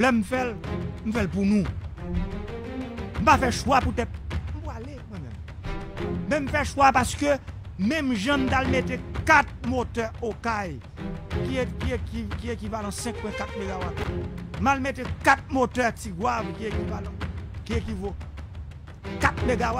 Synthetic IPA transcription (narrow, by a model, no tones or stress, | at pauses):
lɛm̩fɛlm̩fɛlpunũ | m̩pafɛʃwaput̪ɛt̪̚m̩pwalemwɛ̃mɛ̰̃m | mɛ̃m̩fɛʃwapaskø | mɛ̃mʒãm̩t̪almetekat̪̚motœokaj | kiekiekikiekivalɐ̃sɛ̃k̚pwɛ̃kat̪̚meɡawatm̩palmetekat̪̚mot̪œtiɡwavkiekivalãkiekivo | kat̪̚meɡawa